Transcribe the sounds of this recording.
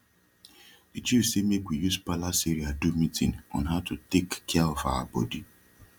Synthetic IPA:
it͡ʃisemekʷijuspalasiɾiadumitʰḭ̃nɔ̰nɦaʊtutekːaɔfa̰a̰bɔ̰di

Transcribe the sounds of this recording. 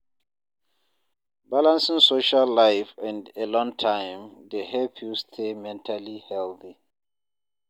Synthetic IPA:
balãnsĩŋsoʃalːajfɛ̃ndɛlɔ̃ŋtʰãjmdehɛpʰjustʰemɛ̃ntʰalihɛlθi

